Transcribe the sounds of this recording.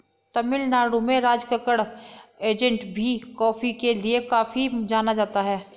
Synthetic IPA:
t̪ɐmɪlnaːɽũmẽɾaːd͡ʒkəkəɽeːd͡ʒə̃ɳʈbʱikɔːfikeliekaːfid͡ʒaːnad͡ʒaːt̪aɦɛː

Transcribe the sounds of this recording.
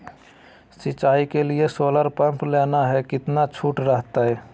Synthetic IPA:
sɪt͡ʃaːikeliesoːləɾpəmplenaɦɛkɪt̪nat͡ʃʰuʈɾəɦt̪aɦɛ

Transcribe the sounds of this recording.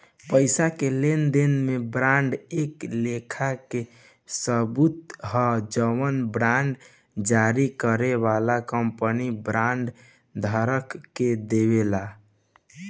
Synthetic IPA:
pəɪsakelend̪enmebɾaɳɖeklekʰake | səbut̪ɦɔd͡ʒəwənbɾaɳɖ | d͡ʒaɾikəɾeβalakəmpənibɾãɳɖ | d̪ʱəɾəkːed̪eβela

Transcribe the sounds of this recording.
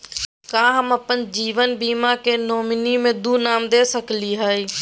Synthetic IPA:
kãːɦəməpənd͡ʒiːʋənbiːmaːkeːnoːmɪniːmẽːd̪uːnaːmd̪eːsəkliːɦaːiː

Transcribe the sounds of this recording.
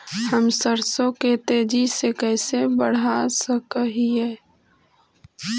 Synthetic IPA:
həmsəɾsõket̪eːd͡ʒisekɛːsebəɽ̤asəkəɦiɦɛː

